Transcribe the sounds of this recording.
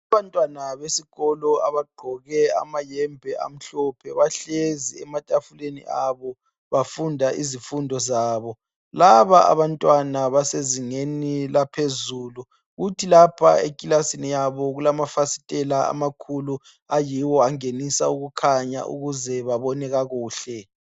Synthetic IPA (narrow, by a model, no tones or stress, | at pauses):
aβantʼwanaβesiɣɔlɔa̰βaɡ͡ǃʱɔɣɛa̰majɛmbʱɛʔa̰m̩ɬɔpʰɛβaɬeziɛmatʼafulenḭʔaβɔ | βafundʱaʔizifundʱɔzaːβɔ | laβaʔa̰βantʼwanaβaseziŋenilapʰezuːlu | ɣutʰilapʰa̰ekʼilasinijaβɔɣulamafasi̥tʼɛlaa̰makʰulu | ajiwɔaŋenisauɣukʰaɲa̰ʔṵɣuzɛβaβɔnɛɣaɣuːɬɛ